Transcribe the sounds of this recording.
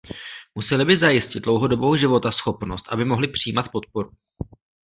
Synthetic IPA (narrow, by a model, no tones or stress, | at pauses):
musɛlɪbɪzajɪscɪtd̪̚dlo̞wɦo̞do̞bowʒɪvo̞t̪asxo̞pno̞st̪ʔabɪmo̞ɦlɪpr̝̥iiːmat̪po̞t̪̚po̞ɾu